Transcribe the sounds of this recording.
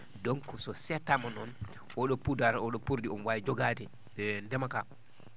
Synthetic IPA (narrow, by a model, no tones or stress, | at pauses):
doŋkɔsɔsɛtːamanɔn | ʔɔɗɔpudaɾɔɗɔpuɾdiɔnwajd͡ʒɔɡadɛ | ɛndɛmaka